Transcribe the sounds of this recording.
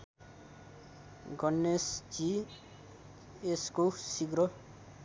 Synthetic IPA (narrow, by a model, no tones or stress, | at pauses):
ɡʌnːesd͡ʒi | eskosiɡɾʌ